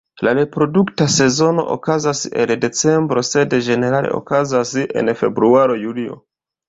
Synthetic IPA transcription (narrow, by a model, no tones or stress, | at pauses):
laɾe̞pɾo̞duktase̞zo̞no̞̰ʔo̰kazasḛlde̞t͡se̞mbɾo̞se̞dd͡ʒe̞ne̞ɾalḛʔo̰kazasie̞̰nfe̞bɾuaɾo̞julio̞̰